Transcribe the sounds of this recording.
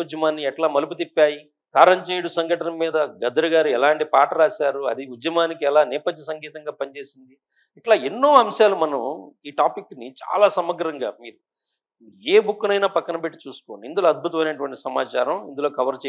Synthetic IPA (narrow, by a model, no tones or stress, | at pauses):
ud͡ʒjɐmaːnːiɛʈlaːmɐlup̬ut̪ipːaːji | kaːɾɐnt͡ʃeːjɽusɐŋɡɐʈɐnɐmːiːd̪ɐɡɐd̪ɐɾɐɡaːɾuɛlaːɳʈipaːʈɐɾaːsaːɾuɐ̰d̪iud͡ʒ̪jɐmaːnikiɛlaːnɛːpɐd͡ʒ̪ːnɐs̬ɐŋɡiːt̪ɐŋɡaːpɐnt͡ʃe̞ːsind̪i | ɛʈlaːenːo̞ːɐmʃaːlumɐnɐmiːʈaːpikːnit͡ʃa̰ːlaːsɐmɐɡɐɾɐŋɡaːmiːɾu | eːbukːunɐjnaːpɐkːɐnɐbeʈːi̥t͡ʃuːsu̥koːɳind̪ulo̞ːɐd̪̚bʱut̪ɐmɐjnɐʈ̬uʋɐɳʈisɐmaːt͡ʃaːɾɐmind̪ulo̞ːkɐʋɐɾt͡ʃː